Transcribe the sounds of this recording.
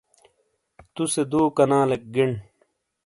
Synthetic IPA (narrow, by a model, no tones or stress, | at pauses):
t̪used̪uːkɐnãːlek̚ɡiɳ